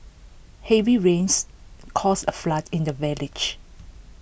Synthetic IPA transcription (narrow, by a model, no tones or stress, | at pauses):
hɛviɹẽnskʰɔsə̰flatʰɪ̃ndəvɛlɪd͡ʒ